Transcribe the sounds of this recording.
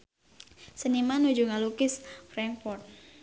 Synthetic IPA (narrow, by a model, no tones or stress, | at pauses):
sənimanud͡ʒuŋalukɪsfɾɛŋfɔrt̪̚